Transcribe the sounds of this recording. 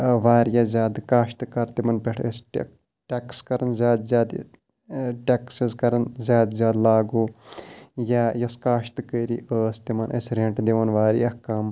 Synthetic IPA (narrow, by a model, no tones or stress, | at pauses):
ʋaːɾjazʲjaːd̪kaːʃt̪kɐɾt̪imɐnpeʈʰesʈ | ʈekskɐɾɐnzʲjaːd̪zjaːd̪ | ʈeksizkɐɾɐnzʲjaːd̪zjaːd̪laːɡoː | jajɐskaːʃt̪kəːɾiːʔəːst̪imɐnʔesɾẽɳʈd̪eʋɐnʋaːɾḭːɐhkaːm